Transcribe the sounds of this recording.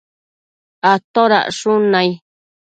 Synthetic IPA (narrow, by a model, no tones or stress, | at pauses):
at̪oɾa̰ʔʂunãi